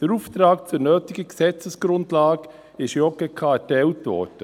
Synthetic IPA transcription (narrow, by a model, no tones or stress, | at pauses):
d̥əɾuːftɾaːkt͡sʊɾnøːtiɡəksɛt͡səsɡ̥ɾʊndlaːɡ | ɪʃjɔɡɛkʰɑːɛtɛltvɔ̰ːɾd̥ə